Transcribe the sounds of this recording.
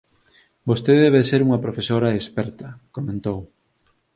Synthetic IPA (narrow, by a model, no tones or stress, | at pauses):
bost̪eðɛβeseɾuŋɐpɾofesoɾɐespɛɾt̪ɐkomẽnt̪ow